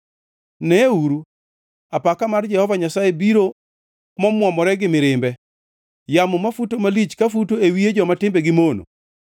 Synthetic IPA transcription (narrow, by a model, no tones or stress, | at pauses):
nɛuɾu | apakamard͡ʒɛhɔvaɲasajebiɾo | mɔmwɔmɔɾɛɡɪmɪɾɪmbɛ | jamʊmafutomalit͡ʃkafutoewied͡ʒɔmatɪmbɛɡɪmono̰